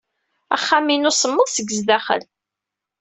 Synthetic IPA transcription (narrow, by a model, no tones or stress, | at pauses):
æ̰χːaminʊsəmːəðˤsəɡːəzðæχə̰l